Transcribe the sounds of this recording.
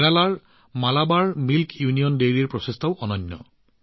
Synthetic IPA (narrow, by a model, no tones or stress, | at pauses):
ɹalaɹ | malabaɹmilkjunijɔndeɹieɹpɹɔsestʰɔʊʔɔnɔnːɔ̰